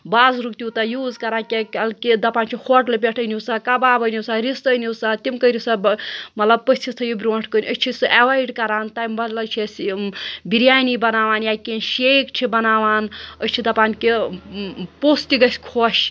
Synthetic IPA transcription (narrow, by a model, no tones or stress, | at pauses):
baːzɾukt̪ʲit̪ɐjuːzkɐɾaːkʲekɐlkid̪ɐpaːnt͡ʃʰihoʈlebʲeʈʰənisakɐbaːbənuwsaɾist̪əjniwsat̪imkəɾisabmɐt̪lɐb̚pəsʲt͡ʃʰist̪ʰɐjibɾoːʈʰkənʲʔəst͡ʃʰisɨʔeʋajɖkɐɾaːnt̪amɐlɐt͡ʃʰis | biɾjaːnibɐnaːʋaːnjakenʃejkt͡ʃʰibɐnaːʋaːnət͡ʃʰid̪ɐpaːnki | post̪iɡɐsʲkʰoʃ